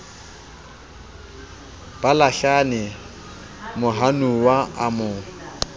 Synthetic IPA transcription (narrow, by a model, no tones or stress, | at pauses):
b̥alaɬanɪ | mʊɦanuwaamʊ